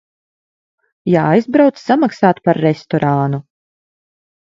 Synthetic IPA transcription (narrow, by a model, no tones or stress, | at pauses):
jaːajzbɾawt̪ssamaksaːt̪paɾːest̪ɔɾanu